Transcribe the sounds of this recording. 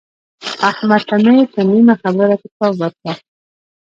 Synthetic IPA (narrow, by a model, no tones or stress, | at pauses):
ahmat̪anəjt̪animaxabəɾakɪt̪ɑbat̪wa